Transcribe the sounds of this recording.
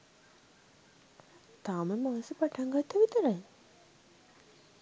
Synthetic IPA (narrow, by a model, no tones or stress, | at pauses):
t̪aːməmaːsəpaʈʰaŋɡat̪ʰːəʋit̪əɾaj